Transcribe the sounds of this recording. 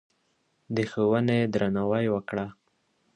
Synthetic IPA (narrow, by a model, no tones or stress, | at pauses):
d̪əxowəned̪ɾanawajwəkɽa